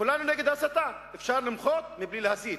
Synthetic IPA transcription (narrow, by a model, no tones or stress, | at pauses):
kulanuneɡed̪asat̪a | efʃaɾlɪmχot̪̚miblilehasi